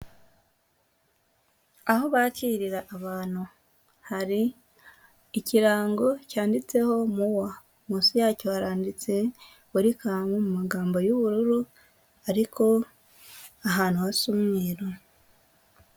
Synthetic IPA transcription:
aho̞βaciːɾiɾaʔːβaːn̥hu | haɾi | ciɾaːŋɡo̞caːndit͡se̞ho̞muwa | muːnsijaːco̞haɾaːndit͡se̞ | uɾikamomumaɡaːmbo̞juβuɾuɾu | aɾikʰo̞ | aɦaːnhuasumŋiːɾo

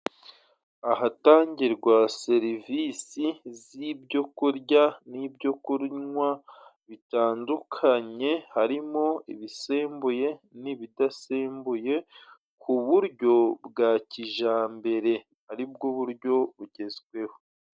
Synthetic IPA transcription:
aɦataːɲɟiɾɡwase̞ɾiviːsizibɟo̞kuɾɟanibɟo̞kuɾɲwaβitaːndukʰaɲe̞haɾimo̞iβiseːmbuje̞niβidaseːmbuje̞ | kuβuɾɟo̞bɡaːciʒaːmbe̞ɾe̞ | haɾib̚ɡoβuɾɟo̞βuɟe̞zɡwe̞ho

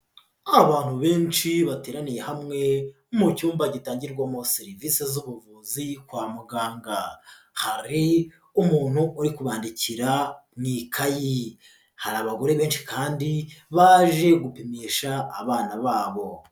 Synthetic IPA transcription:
aβaːn̥huβe̞ːnʃiβate̞ːɾanije̞hamŋe̞ | mucuːmbaɟitaːɲɟiɾɡwamoseɾiviːse̞zuβuvuzikwaːmuɡaːŋɡa | haɾi | umuːn̥huʔːɾikuβaːndiciɾanikʰaji | haɾaβaɡo̞ɾe̞βe̞ːnʃi̥kaːndiβaːʒe̞ɡupemeːʃa̰ːβaːnaβaːβo̞

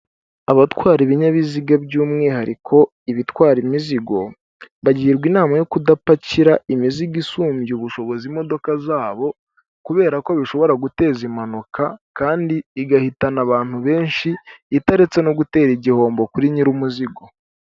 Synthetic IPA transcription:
aβatwaːɾiβiɲaβiziɡabɟuːmŋe̞haɾikʰo̞ | iβitwaːɾimiziɡo̞ | βaɟiːɾɡwinaːmajo̞kudapaciɾaʔimiziɡisuːmɟiuβuʃo̞βo̞zimo̞do̞kazaːβo̞ | kuβe̞ːɾako̞βiʃo̞βo̞ɾaɡute̞ːzimanukʰakaːndiːɡahitanaβaːn̥huβe̞ːnʃiːtaɾet͡se̞no̞ɡute̞ːɾiɟiho̞ːmbo̞kuɾiɲiɾumuziɡo̞

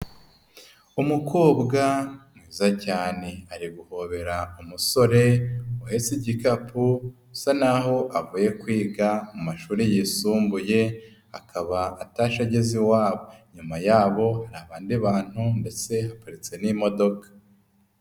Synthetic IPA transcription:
umukoːbɡamŋiːzacaːne̞aɾiɡuho̞βe̞ɾaumuso̞ɾe̞uhe̞siɟikapʰu | sanaɦo̞ʔavuːje̞kwiːɡamumaʃuːɾejisuːmbuje̞ | akʰaβaːtaʃaɟeziwaːβo̞ɲumajaːβo̞haɾaːβaːndiβaːn̥hunde̞se̞hakaɾit͡se̞nimo̞do̞kḁ

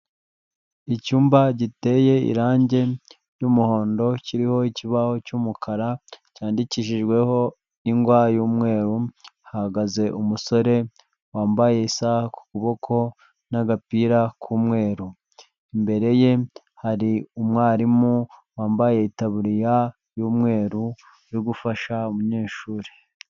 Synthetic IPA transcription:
icuːmbaɟite̞je̞ḭɾaːɲɟe̞ | jumuho̞ːndo̞ciɾiho̞iciβaho̞cumukʰaɾacaːndiciʃiʒɡwe̞ho̞ | niŋɡwaːjuːmŋe̞ːɾuhahaɡaze̞ʔumuso̞ɾe̞ | waːmbaje̞isahaku̥kuβo̞kʰo̞ | naɡapiːɾakʰumŋe̞ːɾu | imbe̞ɾe̞je̞ | haɾiumŋwaːɾimuwaːmbaje̞itaβuɾija | juːmŋe̞ːɾu | ɾiɡufaʃaumuɲe̞ːʃuːɾe

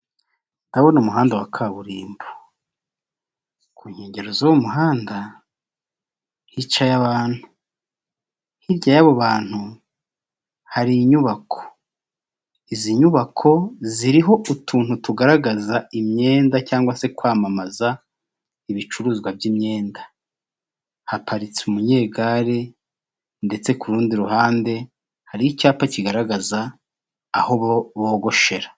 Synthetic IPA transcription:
ndawonumuɦaːndawakʰaβuɾiːmbo̥ | kʰuːɲhe̞ːɲɟe̞ɾozowomuɦaːnda | hit͡ʃajaβaːn̥hu̥ | hiɾɟajaβo̞βaːn̥hu | haɾiɲuβakʰo̥ | iziɲuβakʰo̞ziɾiɦo̞ʔutʰuːnhutuɡaɾaɡazaimɲe̞ːndacaːŋɡwase̞kwaːmamaza | iβit͡ʃuɾuːzɡwabjimɲe̞ːnda | hapʰaɾit͡seumuɲe̞ːɡaɾe | nde̞t͡se̞kuɾuːndiɾuɦaːnde̞ | haɾiicaːpaciɡaɾaɡazaː | ho̞ββoːɡo̞ʃe̞ɾa

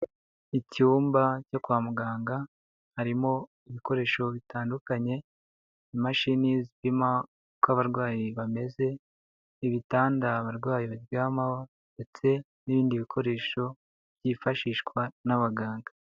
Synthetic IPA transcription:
icuːmbacokwaːmuɡaːŋɡa | haɾimo̞ | iβiko̞ɾe̞ːʃo̞βitʰaːndukaɲe̞ | imaʃinizβima | kaβaɾɡwaːjiβame̞ze̞ | iβitaːndaβaɾɡwaːjiβabjaːmawo | nde̞t͡se̞ | niβiːndiβikʰo̞ɾe̞ːʃo̞ | bjifaʃiːʃkwanaβaɡaːŋɡa

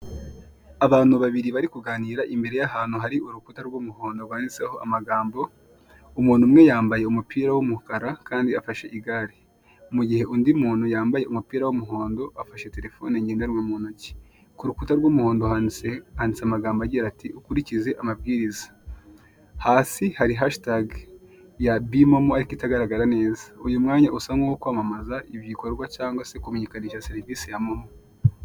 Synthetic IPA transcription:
aβaːn̥uβaβiɾiβaɾikuɡaːniːɾaʔimbe̞ɾe̞jaɦaːn̥uɦaɾiuɾukutaɾwomuhoːndoɾɡwaːnit͡seho̞ʔa̰maɡaːmbo̞ | umuːn̥umŋe̞jaːmbaje̞umupiːɾawomukaɾakaːndiafaʃe̞ʔiɡaːɾi | muɟihe̞ʔundimuːnujaːmbaje̞umupiːɾawomuɦoːndo̞ʔafaʃe̞te̞ɾe̞fo̞neɲɟendeɾwamunuci̥ | kuɾukutaɾɡomuho̞ːndoaehandisamaɡaːmbaɟiɾatiʔukuɾicize̞ʔamab̚ɡiːɾizḁ | haːsihaɾiɦaʃtaɡ | jabimomoaɾikitaɡaɾaɡaɾane̞ːzḁujumŋaːɲaʔusaŋɡukokwaːmamazaʔiβjiko̞ɾɡwacaːŋɡwase̞kumeɲikaniːʃase̞ɾiviːsijamomo

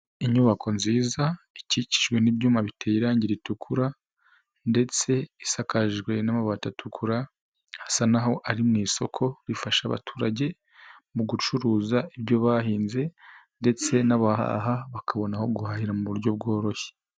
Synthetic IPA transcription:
iɲuβakʰo̞nziːzaicici̥ʒɡwe̞nibjuːmaβitejiɾaːɲɟiɾitukʰuɾa | nde̞t͡se̞isakaʒɡwe̞namaβatatʰukʰuɾa | hasanaɦo̞ʔaɾimŋiːso̞kʰo̞ɾifaʃaβa̰tʰuːɾaɟe̞ | muɡut͡ʃuɾuːzaibɟo̞βaːhiːnze̞nde̞t͡se̞naβaha̰ɦaβakʰaβo̞naho̞ɡuhahiɾamuβuɾɟo̞b̚ɡo̞ːɾo̞çe̥

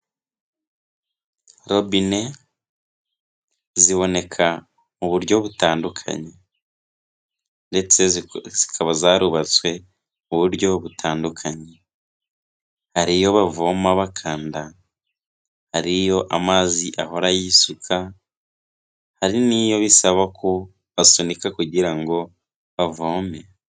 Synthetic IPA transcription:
ɾobine̞ | ziβo̞ne̞kʰa | muβuɾɟo̞βutaːndukʰa̰ɲe | nde̞t͡se̞zikʰaβazaɾuβat͡swe̞ | uβuɾɟo̞βutʰaːndukʰaɲe | haɾijo̞βavo̞ːmaβakʰaːnda | haɾijo̞ʔamaːziʔaɦo̞ɾajisukʰa | haɾinijo̞βisaβakʰo | βasonikakuɟiɾaŋɡo̞ | βavo̞ːme

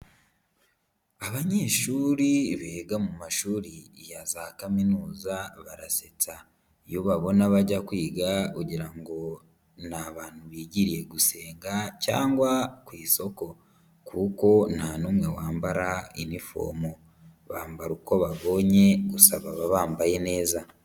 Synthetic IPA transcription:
aβaɲe̞ːʃuɾiβeːɡamumaʃuːɾijazahakaminuːzaβaɾaset͡sa | joβaβo̞naβaɟakwiːɡakuɟiɾaŋɡo̞ | naβaːn̥huβiːɟiɾije̞ɡuse̞ːŋɡaca̰ːŋɡwakwiːso̞ko̞ | kʰuko̞nanumwe̞waːmbaɾainifo̰ːmo | βaːmbaɾuko̞βaβo̞ɲe̞ɡusaβaβaβaːmbaje̞ne̞ːza

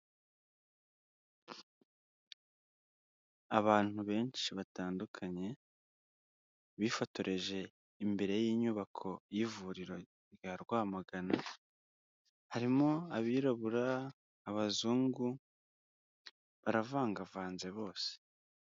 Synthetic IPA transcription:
aβaːn̥huβe̞ːɲʃiβataːndukʰaɲe̞ | βiːfoto̞ɾʔe̞ʒe̞ | imbe̞ɾe̞jiːɲuːβakʰo̞jivuːɾiɾo̞ | ɾjaɾɡwaːmaɡana | haɾimo̞aβiːɾoβuɾaː | βazuːŋɡu | βaɾavaːŋɡavaːnze̞βo̞ːse̥

